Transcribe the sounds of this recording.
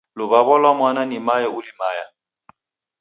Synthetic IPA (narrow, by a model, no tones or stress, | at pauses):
lʊbaβɔlwamwananɪmajaʊlimaːja